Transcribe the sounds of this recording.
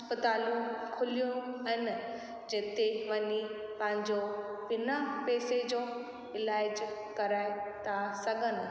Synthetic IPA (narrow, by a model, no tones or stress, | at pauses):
pət̪aːlũũkʰʊlijũɐɦɪn | d͡ʑeːt̪eʋɐɲipɐ̃ɦɪ̃ɲd͡ʑobɪnapeːsed͡ʑoː | ɪlaːɪd͡ʑkɐɾaːɪt̪ʰasɐɡʱənɪ̆